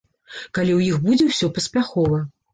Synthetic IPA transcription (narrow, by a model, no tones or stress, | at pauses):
kalʲiwjixbud͡zʲɛwsʲɔpɐsʲpʲaxɔvɐ